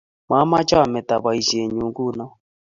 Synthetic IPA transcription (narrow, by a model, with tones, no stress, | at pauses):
ma˨˦ma˦t͡ʃa˦a˨mɛ˨ta˨βa˨i˨ʃi˨e˨ɲu˨ŋɡu˦˨˦nɔ˦